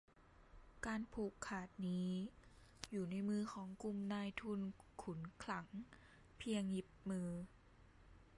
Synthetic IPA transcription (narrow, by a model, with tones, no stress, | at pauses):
kaː˧npʰuː˧˩kʰːaː˨˩t̪̚niː˦˥ | juː˨˩na˧˥˩jmɯː˧˩kʰɔː˩˦ŋku˧˩mnaː˧jt̪ʰu˧˥˨nkʰu˨˩˦nkʰla˩˦ŋ | pʰi˧əŋji˧˩p̚mɯː˧